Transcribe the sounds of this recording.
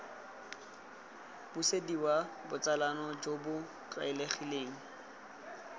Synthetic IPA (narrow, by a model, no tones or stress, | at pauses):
b̥usediwabʊt͡sʼalanɔd͡ʒobʊ | kʼa̰ɪleχileːŋ̩